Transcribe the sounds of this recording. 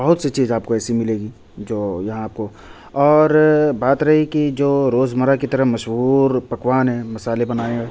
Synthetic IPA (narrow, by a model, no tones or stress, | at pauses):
bɐɦʊt̪set͡ʃiːzaːp̚koɛːsimɪleːɡiː | d͡ʒoːjɐɦãaːp̚ko | ɔːɾbaːt̪ɾɐɦikid͡ʒoːɾoːzməɾakit̪ɐɾəɦmɐʃɦuːɾpɐkʋaːnɦɛ̃ːmɐsaːlebɐnaːẽɡe